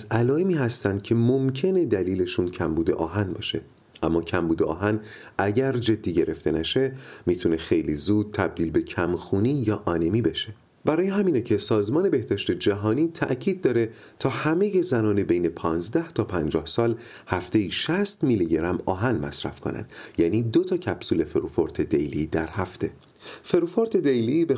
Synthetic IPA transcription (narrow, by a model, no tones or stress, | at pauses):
zælɒːemiːhæst̪ænd̪̥̚cʰe̞mo̞mcʰe̞ne̞d̪æliːle̞ʃuːncʰæmbuːd̪e̞̰ʔɒːɦænbɒ̰ːʃe̞ | ʔæmːɒːcʰæmbuːd̪eɒ̰ːɦæn | ʔæɟæɾd͡ʒe̞d̪ːiːɟe̞ɾe̞ft̪ʰe̞næʃe̞miːt̪ʰune̞xe̞jliːzuːd̪̥̚t̪ʰæb̚d̪iːlbe̞cʰæmxuːniːjɒːʔɒːne̞miːbe̞ʃe | b̥æɾɒːjeɦæmiːnecʰe̞sɒːzmɒːne̞be̞hd̪̥ɒːʃt̪e̞d͡ʒæɦɒːniːt̪ʰæ̰ʔcʰiːd̪̚ːɒːɾe̞ | t̪ʰɒːhæme̞je̞zænɒːnebejne̞pʰɒːnzd̪æht̪ʰɒːpʰænd͡ʒɒːhsɒːl | hæft̪e̞jiːʃæst̪miliɟeɾæmɒ̰ːɦænmæ̰sɾæ̰fkʰo̰næ̰nd̪̥jæːniːd̪o̞t̪ʰɒːcʰæb̥suːle̞feɾufo̞ɾt̪ʰe̞d̪ejlid̪æɾhæft̪ʰe̞ | fe̞ɾufoɾt̪ʰe̞d̪ejlibe